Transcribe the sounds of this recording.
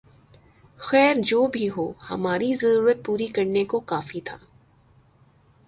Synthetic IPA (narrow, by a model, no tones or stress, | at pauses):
xɛːɾd͡ʒoːbʱiɦoːhɐ̰maːɾizɐɾuːɾət̪̚puːɾikɐɾnekokaːfit̪ʰaː